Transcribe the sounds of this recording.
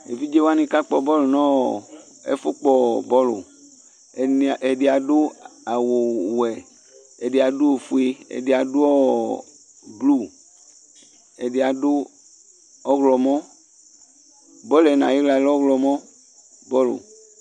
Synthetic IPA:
ḛ˨fi˦d͡ʒe˦wa˦nĩ˧ka˦k͡pɔ˨bɔ˦lu˨nɔ̃˦˨ | ɛ̰˦fu˦k͡pɔ˦bɔ˦lṵ˨ | ɛ˨di˨a˨dʊ˦a˨wo˨wɛ˨ | ɛ˨di˨a˨du˦o˨fu˨e˦ɛ̰˨di˨a˨du˦ɔ˦ | blu˦˨ | ɛ˨di˨a˨dʊ˦ | ɔ˦ɣlɔ˨mɔ˦ | bɔ˦lɛ˨nã˨ji˦la˨˦lɔ˦ɣlɔ˨mɔ̃˦ | bɔ˦lʊ̰˨

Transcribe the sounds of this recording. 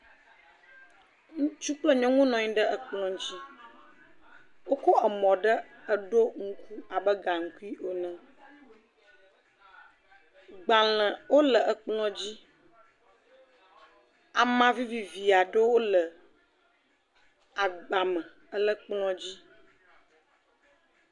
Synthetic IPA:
ŋũ˦t͡ʃu˦k͡plə˦ɲɔ̃˦ŋũ˦nɔ̃˨ɲĩ˦ɖə˦ə˨k͡plɔ̃˦d͡ʑi˦ | wo˦kɔ˦ʔə˨mɔ̃˨ɖə˦ə˨ɖo˦ŋ̩˦ku˦a˨bə˦ɡa˨ŋ̩˨ku˦i˦ʔo˨nə̃˨ | ɡ͡ba˨l̃ə̃˨wo˦lə˨ʔə˨k͡plɔ̃˦d͡ʑi˦ | a˨mã˦vi˦vi˨vi˨a˨ɖə˦wo˦lə˨ | a˨ɡ͡ba˨mə̃˨ | ə˦lə˦k͡plɔ̃˦d͡ʑi˦

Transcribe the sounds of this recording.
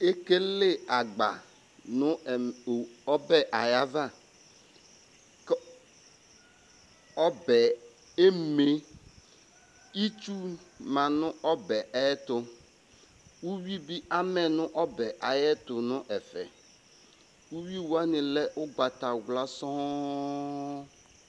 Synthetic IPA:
e˦ke˦le˦a˨ɡ͡ba̰˨ | nʊ̃˦˨ɔ˦bɛ˦ʔa˨ja˦va˦˨ | k | ɔ˦bɛ˨ | e˦˨me˦ | i˦t͡ʃu˦mã˨nʊ̃˦ʔɔ˦bɛ˨ʔɛ˦t̪ʊ˨ | wu˦wi˦bi˦ʔa˦mɛ˨nʊ̃˦ʔɔ˦bɛ˨ʔa˨jɛ˦tʊ˨nʊ̃˦ʔɛ˨fɛ̰˨ | wu˦wi˦wu˦a˦nɪ̃˨lɛ˦ʔʊ˦ɡ͡ba˨ta˨ɡla˦sɔ̃˦

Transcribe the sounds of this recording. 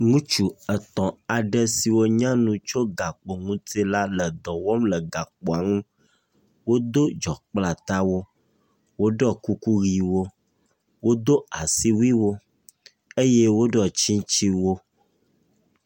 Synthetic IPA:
ŋũ˦t͡ʃu˨ə˨t̪ɔ̃˨a˨ɖɛ˦si˨wo˦ɲã˦nũ˦t͡ʃo˦ɡa˨k͡po˨ŋũ˦t̪e˦la˦lə˨d̪ɔ˨wɔ˦mlə˨ɡa˨k͡pɔ˨a˨ŋũ˦ | wo˦d̪o˦d͡ʒɔ˨k͡pla˨t̪a˦wo˦ | wo˦ɖɔ˦ku˦ku˦ɣi˨wo˦ | wo˦d̪o˦a˨si˦wi˦wo˦ | e˦je˦wo˦ɖɔ˨t͡ʃĩ˦t͡ʃi˦wo˦

